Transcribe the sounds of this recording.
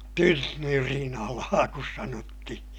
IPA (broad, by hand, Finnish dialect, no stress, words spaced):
tynːyrinɑlɑː kus sɑnotːihi̥